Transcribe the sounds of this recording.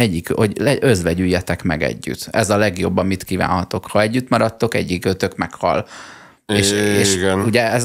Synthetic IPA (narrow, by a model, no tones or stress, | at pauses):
ɛɟːikoɟɛøzʋɛɟyjːɛt̪ɛkmɛɡɛ̰ɟːy̰t̪ɛzɒlɛɡjo̞bːɒmit̪kiva̰ːnhɒt̪o̞khɒɛɟːyt̪mɒɾɒt̪ːo̞kɛ̰ɟːikøːt̪økmɛkhɒ̰l | eʃeːʃɡɛnuɟɛɛz